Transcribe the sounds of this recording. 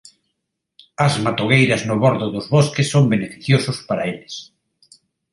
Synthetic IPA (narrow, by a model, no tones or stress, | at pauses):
ɐzmat̪oɣejɾɐznʊβoɾðʊðʊzβoskɪsːoŋbenefiθjosʊspaɾɐeles